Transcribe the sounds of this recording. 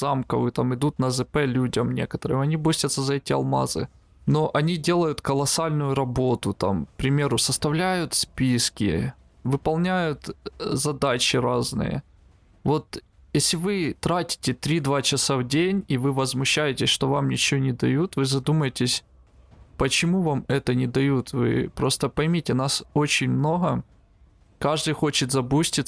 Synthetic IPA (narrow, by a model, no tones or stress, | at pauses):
z̥amkɐvɨt̪amɪd̪ut̪nɐzɨpɛlʲudʲɐmnʲe̞kət̪əɾɨ̰mɐnʲibosʲt̪ʲət̪səzɐɛtʲɪɐ̰lˠma̰zɨ̰ | no̞ʔɐnʲidʲe̞lˠəjʊt̪kəlˠɐsalʲnʊjʊɾɐbo̞t̪ʊt̪a̰mk̚pɾʲɪmʲe̞ɾʊsəst̪ɐvlʲæjʊt̪spʲiskʲɪ̰ | vɨpɐlˠnʲæjʊt̪zɐd̪at͡ɕɪɾaznɨ̰jə̰ | vo̞t̪ | jesʲlʲɪvɨt̪ɾatʲɪ̥tʲɪt̪ɾʲid̪vat͡ɕɪsavdʲenʲivɨvəzmʊɕːæjɪtʲɪsʲʂt̪o̞vamnʲɪt͡ɕɪvonʲɪd̪ɐjut̪vɨzɐd̪uməjɪtʲɪsʲ | pət͡ɕɪmuvamɛt̪ənʲɪd̪ɐjut̪vɨ̰pɾo̞st̪əpɐjmʲitʲɪnaso̞t͡ɕɪnʲmno̞ɦə | kaʐd̪ɨjxo̞t͡ɕɪt̪zɐpusʲtʲɪt̪